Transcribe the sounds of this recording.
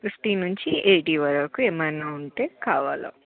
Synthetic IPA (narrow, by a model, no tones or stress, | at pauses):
kɾusʈinuɲt͡ʃiʔeːʈiːʋɐɾɐkueːmɐnaːuɳʈe̞ːkaːʋaːlo̰ː